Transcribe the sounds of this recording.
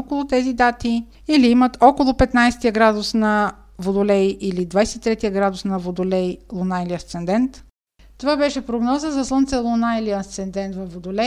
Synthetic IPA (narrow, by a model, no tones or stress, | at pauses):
kolˠʊt̪ɛzid̪at̪i | iliimət̪ɔkolˠʊpɛt̪najsɛ̥t̪ijəɡɾad̪ʊsnɐ | vod̪ʊlɛjʔilid̪vajsɛt̪i̥t̪ɾɛt̪iəɡɾad̪ʊsnɐvod̪olɛjlˠonailiɐst̪sɛnd̪ɛnt̪ | t̪ovabɛʃɛpɾoɡnɔzəzɐslˠont̪sɛlˠonailiɐst̪sɛnd̪ɛnt̪vɐfvod̪olɛ